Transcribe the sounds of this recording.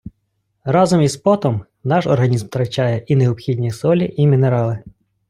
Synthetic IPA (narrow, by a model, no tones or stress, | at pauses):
ɾɑzɔmispɔt̪ɔm | nɑʃɔrɦɐnʲizmt̪ɾɐt͡ʃɑjɛʔineɔpxʲidʲnʲisɔlʲiʔimʲineɾɑlˠɪ